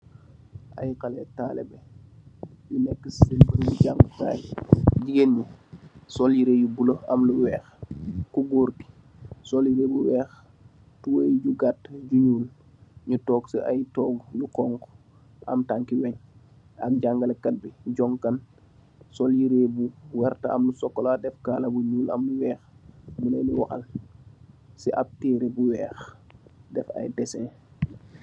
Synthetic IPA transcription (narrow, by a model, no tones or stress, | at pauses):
ʔa̰jkalɛtaːlɛ̰bɛ | junɛkːəsbiɾluɟaŋɡka̰ːjɟiɡenɲusɔljiɾeːjubuloɐmluwɛːxkuɡuːɾki̥ | sɔljiɾeːbuwɛːx | tuwəjɟuɡatɟuɲuːl | ɲutɔːɡsəʔa̰jtɔːɡlukɔŋk | ʔɐ̰mtaŋkiwɛɲ | ak̚ɟaŋɡɐlkɐt̚biɟɔŋkɐn | sɔljiɾeːbuwɛɾtaɐ̰mlusɔkːɔladɛfkaːlɐbuɲuːlɐ̰mluwɛːxbunɐjnuwaxɐ̰l | siʔap̚tiːɾebuwɛːxdɛfa̰jdɛsɛ̃